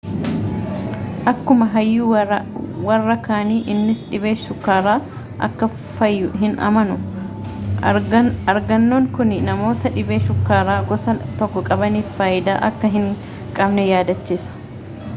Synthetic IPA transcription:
ʔɐkːʊmɐɦɐjːu | wɐrːɐkaːniːʔɪnːɪsᶑɪbe̞ːʃʊkːaːɾaː | ʔɐkːɐ | fɐjːʊɦɪnɐ̰mɐnʊ | ɐɾɡɐnːoːŋkʊnɪnɐmo̞ːt̪ɐᶑɪbe̞ːʃʊkːaːɾaːɡɔsɐt̪ɔkːɔkʼɐbɐniːffaːjɪd̪aːʔɐkːɐɦɪŋ | kʼɐbnɛjaːd̪ɐt͡ʃːisɐ̥

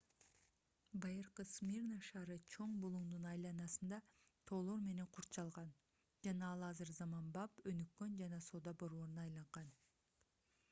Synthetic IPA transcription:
bɑjɯɾqɯsmʲirnaʃɑːɾɯt͡ʃʰo̞ɴbulˠumd̪unɑjlˠɑnɑsɯnd̪ɑt̪ʰo̞ːlˠo̞ɾme̞ne̞ŋqʰuɾt̪t͡ʃɑlˠʁɑn | d͡ʒɑnɑɑlˠɑzɯɾzɑmɑnbɑpø̞nykːø̞nd͡ʒɑnɑso̞ːd̪ɑbo̞ɾβo̞ɾunɑːjlˠɑɴʁɑn

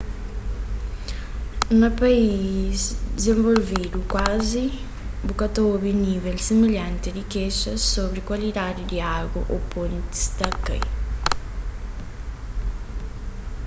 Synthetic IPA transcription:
nɐpɐizd̪izẽɱvolvid̪ukwazi | bukɐt̪obinivɛlsimeʎãnt̪iɾikeʃɐsoβɾikwɐlid̪ad̪id̪iaɡɐʔopõnt̪i̥st̪ɐkḛj

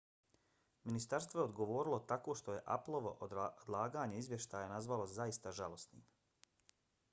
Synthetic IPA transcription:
minist̪aɾst̪ʋoe̞o̞d̪ɡo̞ʋo̞ːɾilˠo̞t̪ako̞ːʃt̪o̞je̞ʔa̰plˠo̞ʋo̞ʔod̪lˠaːɡaːɲe̞izʋje̞ʃt̪aːjanazʋalo̞zaist̪aʒalˠo̞snḭːm

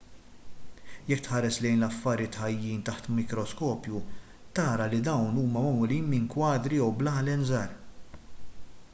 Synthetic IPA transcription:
jɛkːt̪ħɐːɾɛslɛjnlɐfːɐɾɪt̪ħɐjːiːnt̪ɐħt̪mɪkɾɔskɔːpju | t̪ɐːɾɐlid̪ɐwnuːmɐmɐmɔliːnmɪŋkwɐːd̪ɾijɛwblɐːlɛnzɐːɾ

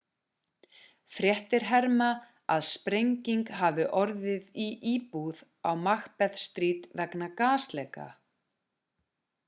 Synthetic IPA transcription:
fɾjɛht̪ɪɾ̥ɦɛɾma | aðspɾejɲciŋkɦavɪʔɔɾðɪðiʔiːpuð | awmaxpɛð̥st̪ɾiːt̪vɛknakaːslɛːka̰

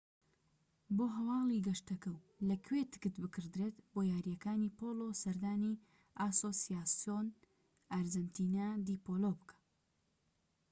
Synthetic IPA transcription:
boːɦɐwɑːlˠiɡɐʃt̪ɐkɐw | lɐkʰwet̪ɨ̥kɨt̪bɨkɨɾd̪ɾeːt̪bojaːɾijɐkaːnipolosɐɾd̪aːni | asosijaːsjon | aɾd͡ʒɐnt̪iːnad̪iːpoːlobɨkʰḁ

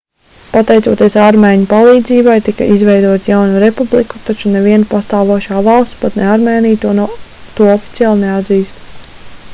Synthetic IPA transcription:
pat̪ɛjt̪suɔːt̪iɛsaɾmɛːɲupalˠiːd̪ziːbajt̪ika̰ʔizvɛjd̪uɔt̪jawnuɾepubliku̥t̪at͡ʃunɛviɛnpast̪aːʋuɔʃaːvalˠst̪spat̪neaɾmɛːnijt̪uɔnt̪uɔɔfi̥t̪siaːlˠnead̪ziːst̪

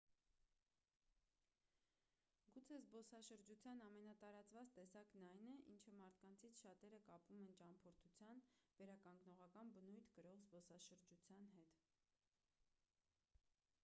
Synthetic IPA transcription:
ɡut͡sʰɛzbɔsɑʃəɾd͡ʒut͡sʰjɑnɑmɛnɑt̪ɑɾɑt͡svɑt͡st̪ɛsɑknɑjnɛʔint͡ʃʰəmɑɾt̪ʰkɑnt͡sʰit͡sʰʃɑt̪ɛɾəkɑpvumɛnt͡ʃɑmpʰɔɾt̪ʰut͡sʰjɑnvɛɾɑkɑŋɡnɔʁɑkɑnbənujt̪ʰkəɾɔʁzbɔsɑʃəɾd͡ʒut͡sʰjɑnɦɛt̪

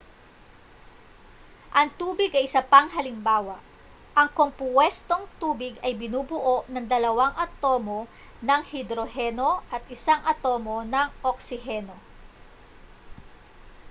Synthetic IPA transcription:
ʔɐŋt̪uːbɪɡɐjɪsɐpɐŋɦɐlɪmbaːwɐʔ | ʔɐŋko̞mpwɛst̪o̞ŋt̪uːbɪɡɐjbɪnuːbʊʔo̞ʔnɐŋd̪ɐlɐwaŋʔɐt̪o̞ːmo̞ | nɐŋhɪd̪ɾo̞ɦɛno̞ʔɐt̪̚ʔɪsaŋʔɐt̪o̞ːmo̞nɐŋʔok̚sɪɦɛno̞

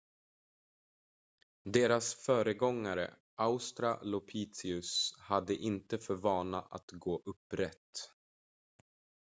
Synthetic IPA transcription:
d̪eːɾasfœːɾəɡɔŋːaɾə̰ | ʔaʊst̪ɾalɔpʰiːt̪sɪɵshad̪ːəʔɪnt̪əfœɾvɑːnaʔa̰t̪ɡoːʔɵpːɾɛt̪ː

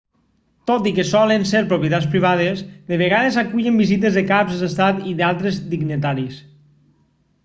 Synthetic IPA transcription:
t̪ot̪ikesɔlenseɾpɾopjet̪at͡spɾiβað̞ezðeβ̞eɣaðezakuʎembizit̪̬ezðekapzðest̪at̪iðalˠt̪ɾezd̪iɡnit̪aɾis

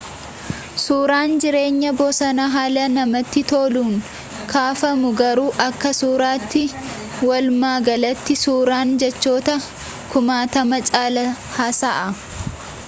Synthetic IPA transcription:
suːɾaːnd͡ʒɪɾe̞ːɲːɐbosɐnɐɦaːlɐnɐmɐt̪ːɪt̪oːluːŋ | kʰaːfɐmʊɡɐɾuːʔɐkːɐsuːɾaːt̪ːɪ | wɐlmaːɡɐlɐt̪ːɪsuːɾaːnd͡ʒɛt͡ʃːo̞ːt̪ɐ | kʊmaːt̪ɐmɐt͡ʃʼaːlɐ | haːsaːʔɐ

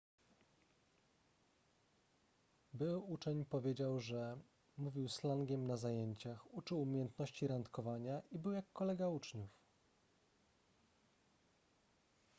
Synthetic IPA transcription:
bɘwut͡ʂɛɲpɔvʲjed͡ʑawʐɛ | muvʲiwslaŋɡʲɛmnazajeɲt͡ɕaxut͡ʂɘwumʲjejɛnt̪nɔɕt͡ɕiɾant̪kɔvaɲaʔibɘwjakːɔlɛɡaut͡ʂɲuf

